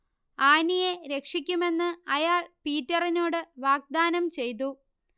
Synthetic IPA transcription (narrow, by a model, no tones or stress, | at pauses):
aːnije̞ɾe̞kʂikʲːume̞nːɨɐjaːɭpiːtːɐrinoːɽɨʋaːɡ̚d̪aːnɐmt͡ɕe̞jt̪̬u